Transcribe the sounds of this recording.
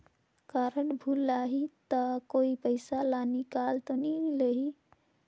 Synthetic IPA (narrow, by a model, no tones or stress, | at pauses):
kaɾəɳbʱulːaɦit̪ɔkoipəɪsalanikalt̪ɔnileɦi